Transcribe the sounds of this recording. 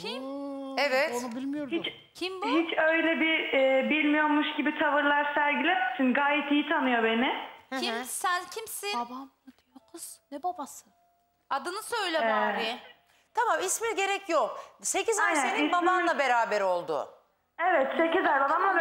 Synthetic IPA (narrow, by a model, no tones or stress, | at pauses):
cʰimevɛt̪ɯɾmɯjoɾit͡ʃ | cʰimbuhit͡ʃøjlʲɛbiːbilʲmijo̞ɾmuʃɟibit̪ʰavɯɾlˠaɾsæɾɟilʲemisinɡaːjɛt̪ijit̪ʰanɯjo̞benɪisæncʰimsɪbam | t̪okʰɯznɛbabasɯ | ad̪ɯnɯsøjlʲɛaɾi | t̪ʰamamismiɟe̞ɾɛcʰjo̞kse̞cizananibabamlˠabe̞ɾaːbɛɾo̞lˠd̪ʊ̰ | evɛt̪se̞cizæɾbab̪amlˠa